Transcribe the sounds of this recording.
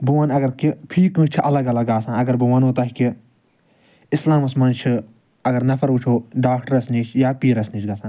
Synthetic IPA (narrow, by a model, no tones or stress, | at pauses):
buʋanɐɡɐɾkipʰiːkɨ̃ːt͡ʃʰiʔɐlɐɡɐlɐɡaːsãːɐɡɐɾbuʋaːnɦoːt̪aːɦki | ɪslaːmɐsmɐnt͡ʃʰi | ɐɡɐɾnɐfʰɐɾut͡ʃʰoːɖaːkʰʈɐɾɐsniːt͡ʃʰjaːpiːɾɐsniːt͡ʃɡaːsãː